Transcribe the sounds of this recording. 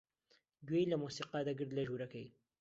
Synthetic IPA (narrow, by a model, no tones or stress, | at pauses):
ɡwejlamusiqɑd̪aɡəɾd̪laʒuɾakai